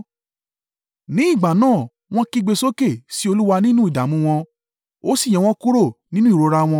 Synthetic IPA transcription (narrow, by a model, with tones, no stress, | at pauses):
nĩ˨˦i˦˨ɡ͡ba˨nãː˦˨ | w̃ɔ̃˦ki˦ɡ͡be˧so˦ke˦˨si˦o˧lu˦wa˧nĩ˦nũ˦i˦˨da˨mũ˧w̃ɔ̃˧ | o˦sĩ˦˨ɛ̃˨˧w̃ɔ̃˧˦ku˦ɾo˦˨nĩ˦nũ˦i˦˨ɾo˧ɾa˧w̃ɔ̃˧